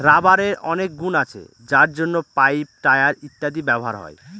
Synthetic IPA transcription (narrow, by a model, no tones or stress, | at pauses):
ɾabaɾeɾɔnek̚ɡunat͡ɕʰḛ | d͡ʑaɾd͡ʑonːopajp̚ʈaeaɾit̪ːad̪ibɛboɦa̰ɾɦɔ̰e